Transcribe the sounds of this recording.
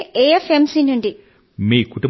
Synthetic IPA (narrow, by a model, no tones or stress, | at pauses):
eefemsinuɳɖi | miːkuʈu